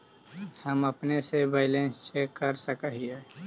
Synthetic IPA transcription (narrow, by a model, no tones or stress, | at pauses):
həməpnesebaɪlẽnst͡ʃekəɾsəkəɦie